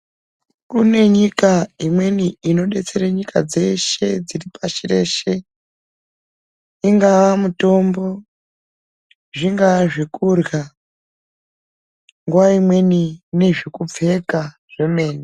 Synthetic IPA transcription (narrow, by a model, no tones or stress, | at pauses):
kune̞ɲikaimwe̞niino̞ɗe̞t͡se̞ɾeɲika̰d͡ze̞ʃe̞d͡ziripaʃire̞ʃe̞ | iŋɡaʋamuto̞mbo̞ | ʐiŋɡaʐikurɡa | ŋɡuwaimwe̞nine̞ʐikup͡fe̞ka | ʐ̥e̞me̞ːni